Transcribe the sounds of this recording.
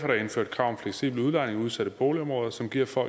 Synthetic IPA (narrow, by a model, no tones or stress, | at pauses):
fɒɾ̥ɑ̈e̝nfø̰ɐd̥̚kʰʁɑ̈ʊ̰mfleɡ̥sḭːb̥luð̞ˠlɑ̈ne̝ŋuð̞ˠsæɾ̥əb̥o̝ːliɒ̽mʁɔːð̞ˠɐsɒ̽mɡ̥iɐ̰fɒ̰̽